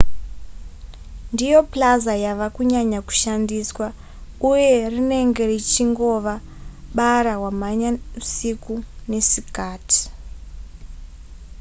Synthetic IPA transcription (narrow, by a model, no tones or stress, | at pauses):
ndijo̞plazajaʋakuɲaɲaku̥ʃandiswa | uje̞rine̞ŋɡe̞rit͡ʃiŋɡo̞ʋa | ɓaɾaɦwamaɲausikune̞sikaːti̥